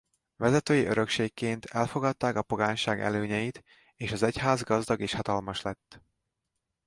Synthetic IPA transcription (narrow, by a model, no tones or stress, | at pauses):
vɛzɛt̪øːjiʔøɾø̞kʃeːkːeːnt̪ʰɛlfo̞ɡɒt̪ːaːkɒpo̞ɡaːɲʃaːɡɛ̰løːɲɛjit̪ | eːʃɒzɛchaːzɡɒzd̪ɒɡeːʃhɒt̪ɒlmɒʃlɛt̪ː